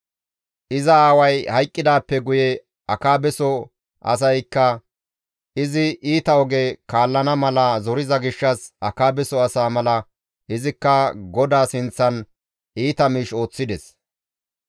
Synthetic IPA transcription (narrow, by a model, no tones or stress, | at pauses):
ʔɪzɐaːwɐjhɐjkʼːɪd̪aːpːɛɡʊjɛ | ɐkaːbɛsɔ | ʔɐ̰s̬ɐjkːɐ | ʔɪzɪʔiːt̪ɐɔɡekaːlːɐnɐmɐlɐzɔɾɪzɐɡɪʃːɐsɐkaːbɛsɔɐsaːmɐlɐ | ʔɪzɪkːɐɡɔd̪aːsɪnt͡sːɐn | iːt̪ɐmiːʃo̞ːt͡sːɪd̪ɛs